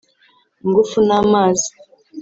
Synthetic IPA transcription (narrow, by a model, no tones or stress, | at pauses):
ŋɡufunamaːzi̥